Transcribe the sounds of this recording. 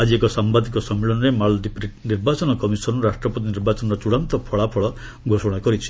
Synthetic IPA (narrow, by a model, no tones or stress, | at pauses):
ad͡ʒiekɔsambad̪ikɔsɔmːeɭɔnɔɾemaɭɖipɾiʈniɾbat͡ʃɔnɔkɔmisɔnuɾasʈɾɔpɔt̪iniɾbat͡ʃɔnɔɾɔt͡ʃuɽant̪ɔpʰɔɭapʰɔɭɔ | ɡʱosɔɽ̃kɔɾit͡ʃʰi̥